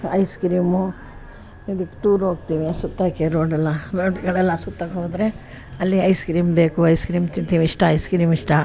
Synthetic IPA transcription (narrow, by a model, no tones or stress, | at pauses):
ɐjskɾiːmu | id̪ukːe̥ʈuːɾɦoːɡt̪iʋiɐsut̪ːakeɾoːɖɛlːɐɾoːɖɡɐɭɛlːɐsut̪ːakɦoːd̪ɾe | ɐlːiɐjskɾiːmbe̞ːkuɐjskɾiːmt̪int̪iːʋiːʂʈɐɐjskɾiːmiʂʈɐ